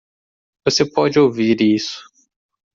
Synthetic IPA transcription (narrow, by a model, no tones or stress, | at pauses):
vosepɔd͡ʒɪowviɾisʊ̥